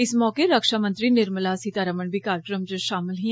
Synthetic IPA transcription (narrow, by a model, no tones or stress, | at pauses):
ɪsmɔːkeɾəkʃaːmə̃nt̪ɾinɪɾməlasit̪aːɾəməɳbikaːɾkɾəmd͡ʒəʃaːmɪlɦĩ